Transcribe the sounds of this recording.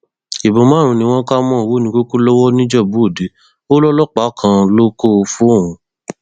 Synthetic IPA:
i˨bõ˨˦mã˦ɾ̃ũ˨˧nĩ˧w̃ɔ̃˦ka˦mɔ̃˦˨wo˦nĩ˧ko˦ku˦lɔ˦wɔ˦nĩ˦d͡ʒɛ˦˨bu˨˦o˦˨de˨˦ | o˦lɔ˦lɔ˦k͡pa˦kʰã˧lo˦ko˦˧fũ˦o˦˨wũ˧

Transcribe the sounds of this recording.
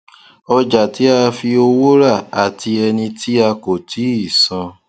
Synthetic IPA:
ɔ˧d͡ʒa˨ti˨˦a˧fi˧o˧wo˦ɾa˦˨a˨ti˧ɛ˧nĩ˧tʰi˦a˧ko˨tʰi˨˦i˦˨sã˧

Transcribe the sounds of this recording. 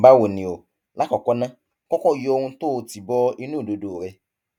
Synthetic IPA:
ba˦wo˨nĩ˨o˨ | la˨˦kɔ˨kɔ˦nã˦ | kɔ̃˦kɔ̃˦˨jo˧hũ˧to˦˨˦ti˨bɔ˦i˧nũ˦˨do˧do˨ɾɛ˧

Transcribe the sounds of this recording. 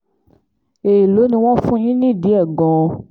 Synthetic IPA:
e˨ji˨lo˨˦nĩ˧w̃ɔ̃˦fũ˦ĩ˦nĩ˦˨di˨˦ɛ˦˨ɡɔ̃˨˧

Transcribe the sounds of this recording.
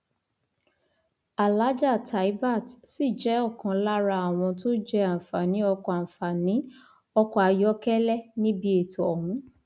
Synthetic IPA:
a˨la˨˦d͡ʒa˦˨tʰa˨i˦ba˦˨tsi˦˨d͡ʒɛ˨˦ɔ˦˨kã˨˦la˦ɾa˧a˨w̃ɔ̃˧to˦d͡ʒɛ˧a˨fa˨nĩ˨˦ɔ˧kɔ˧ã˨fa˨nĩ˨˦ | ɔ˧kɔ˧˨a˧jɔ˦kɛ˦lɛ˦nĩ˦bi˧˦e˨to˨ɔ˨hũ˨˦

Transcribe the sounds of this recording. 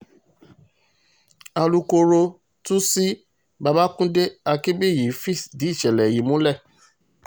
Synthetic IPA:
a˧lu˧˦ko˧ɾo˧ | tu˦si˦ | ba˧ba˦kũ˦de˦a˧ki˦bi˦˨ji˨˦fi˦˨sdi˨˦i˦˨ʃɛ˨lɛ˨ji˨˦mũ˨˦lɛ˦˨

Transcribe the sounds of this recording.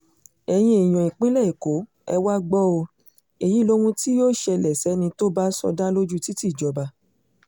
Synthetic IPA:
ɛ˧j̃ĩ˧i˨j̃ɔ̃˨i˨k͡pĩ˦lɛ˦˨i˨ko˨˦ | ɛ̰˧wa˦ɡ͡bɔ˦o˧ | e˨ji˨˦˨lo˦wũ˧ti˦jo˦ʃɛ˧lɛ˨sɛ˨˦nĩ˧to˦ba˦sɔ̰˧da˦lo˦d͡ʒu˦ti˦ti˦˨d͡ʒɔ˨ba˧

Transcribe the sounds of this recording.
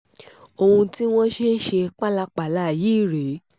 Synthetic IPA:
o˧hũ˧ti˦w̃ɔ̃˦ʃe˦ʃe˧k͡pa˦la˧k͡pa˨la˦˨jiː˦˨ɾe˨˦

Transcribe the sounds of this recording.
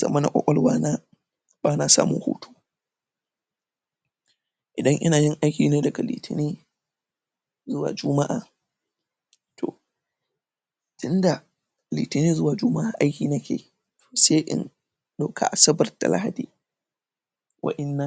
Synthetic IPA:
zɐ̰˨mɐ˦na˨kʷʼɔ̰˦kʷʼɐ˦lwaː˦na˦ | baː˦na˨sa̰ː˦mʊ̰˦ŋho̰ː˦tʰo̥ː˦ | ʔɪ˨dɐ˦ŋʔɪ̰˦naː˨jɪ˦ŋʔa˦jkʲiː˦neː˦dɐ˨ɡa˨lḭ˨tɪ˨niː˦ | zʊ˦wa̰ː˨d͡ʒʊ˦ma˦ʔaː˨ | tʰo̰˨ | tʊ˦nda˨ | liː˨tɪ˨niː˦zʊ˦waː˨d͡ʒʊ˦ma˦ʔa˨ʔa˦jkʲiː˨nɐ˦kʲḛː˨ | tʰo̥ː˨se˦ʔɪ̰˦n | ɗo˦kʰa̰˨ʔa˨sɐ˦bɐ˨rta̰˨lʔa̰˦ha˨diː˨ | wʔa̰˦ʔɪ˦nːa˨ŋ

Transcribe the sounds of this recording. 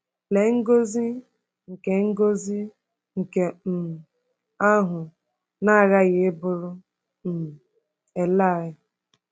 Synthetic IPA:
le˨ŋ̩˦ɡo˦zi˦ | ŋ̩˨ke˨ŋ̩˦ɡo˦zi˦ | ŋ̩˨ke˨m̩˨ | a˦ɦʊ˨ | na˦a˨ɣa˦ɣɪ˨˦bʊ˦ɾʊ˦ | m̩˨ | e˨la˦˨ɪ˦

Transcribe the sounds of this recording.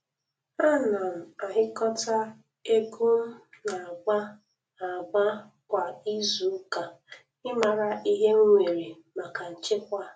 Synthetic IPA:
a˦na˨m̩˨a˨ɦɪ˦kɔ˦ta˦ | e˦ɡu˦m̩˦na˨ɡ͡ba˦ | a˨ɡ͡ba˦ | kʷa˨i˦zu˨˦ka˨ | ɪ˦ma˨ɾa˨ʔi˦ɦe˦ŋ̩˦ŋʷe˨ɾi˨ | ma˨ka˨n̩˨t͡ʃɪ˦kʷa˦

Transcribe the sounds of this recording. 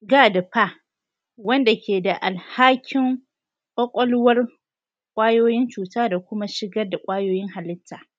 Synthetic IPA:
ɡaː˦da˨ɸa˦ | wɐ˦nda˨kʲʰeː˨da˨ʔa˨lhaː˦kʲʰɪ˦ŋ | kʼɔ˦kʷʼɔ˦lʊ˦wɐ˦r | kʷʼaː˦joː˦jɪ˦nt͡ʃuː˨taː˦da˨kʷʊ˦ma˦ʃɪ˦ɡɐ˦rda˨kʷʼaː˦joː˦jɪ˦ŋha˨lɪ˦tːaː˨

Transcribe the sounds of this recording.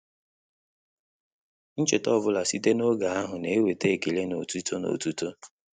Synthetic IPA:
n̩˦t͡ʃɪ˨tɔ˦˨bʊ˦la˨si˦te˦no˦ɡa˨a˦ɦʊ˨ne˨e˦we˨te˦e˨ki˨le˦no˨tu˦tʰo˦no̰˨tu˦to˦

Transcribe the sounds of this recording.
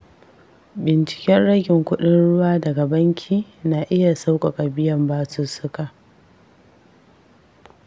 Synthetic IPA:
bɪ˨nt͡ʃɪ̥˨kʲɛ˦nɽɐ˦ɡʲɪ˨ŋkʷʊ˦ɗɪ˦nɽʊ˦waː˦dɐ˨ɡa˨bɐ˦ŋkʲʰiː˦na˨ʔɪ˦ja˨sa˦wkʷʼa˨kʼa˨bɪ˦jɐ˨mbaː˦su˦sʊ˦ka˨ʔ

